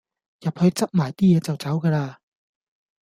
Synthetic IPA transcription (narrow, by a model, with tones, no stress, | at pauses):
jɐ˨˩p̚hɵ˧ɥt͡sɐ˥p̚maː˨˩jt̪iː˥jɛː˨˧t͡sɐ˨wt͡sɐ˨˥wkaː˧laː˧